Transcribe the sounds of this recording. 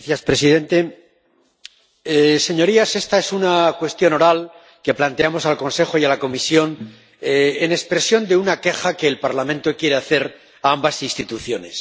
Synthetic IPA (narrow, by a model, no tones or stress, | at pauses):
θjaspɾe̞siðe̞nt̪e̞ | se̞ɲo̞ɾiase̞st̪ae̞sunakwe̞st̪jo̞no̞ɾal | ke̞plant̪e̞amo̞salko̞nse̞xo̞ialako̞misjo̞n | eenekspɾe̞sjo̞nd̪e̞unake̞xakeːlpaɾlamẽnt̪o̞kjeɾeaθe̞ɾ | aambasinst̪it̪uθjo̞ne̞s